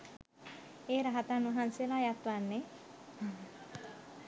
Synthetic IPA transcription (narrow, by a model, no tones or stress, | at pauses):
eːɾaɦat̪anuɦanselajat̪ʋanːe